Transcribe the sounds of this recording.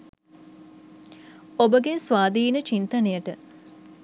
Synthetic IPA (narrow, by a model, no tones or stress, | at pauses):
obəɡesʋaːd̪iːnət͡ʃint̪ɐnejəʈə